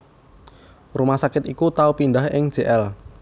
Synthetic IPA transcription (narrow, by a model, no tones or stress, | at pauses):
rumasakɪt̪ikut̪aupinɖahɪŋ̥ʒ̥eʔɛl